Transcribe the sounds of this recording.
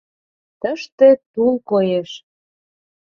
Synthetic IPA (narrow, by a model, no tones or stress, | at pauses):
t̪əʃt̪ĕt̪ulkojeʃ